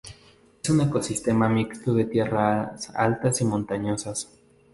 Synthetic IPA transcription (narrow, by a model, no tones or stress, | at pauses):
esune̞ko̞sist̪e̞mamikst̪oðe̞t̪je̞rasa̰lt̪asimõ̞nt̪aɲo̞sas